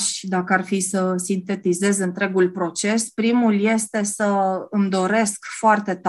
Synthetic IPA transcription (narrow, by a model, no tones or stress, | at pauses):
ʃd̪akəarfisəsint̪e̞t̪ize̞zɨnt̪ɾe̞ɡulpɾo̞t͡ʃe̞spɾimulje̞st̪e̞səɨmd̪o̞ɾe̞skfoart̪e̞t̪